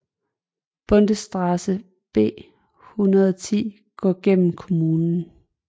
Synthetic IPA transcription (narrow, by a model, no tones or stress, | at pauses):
b̥ɔ̽nd̥əsd̥ʁɑsə | b̥e̝̰ː | hunɐðˠɒt͡sʰḭː | ɡ̥ɒ̰ːɡ̥en̰m̩kʰo̝muːnn̩